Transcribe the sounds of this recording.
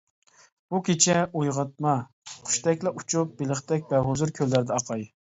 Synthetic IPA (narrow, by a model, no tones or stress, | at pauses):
b̥ukʲet͡ʃʰɛojʁɑt̪̚mɑ | qʰʊ̥ʃt̪ɛkʲlɛʔut͡ʃʰup̚beləχt̪ɛk̚ʲbɛɦozuɾkʲʰølːæɾd̪ɛɑqʰɑj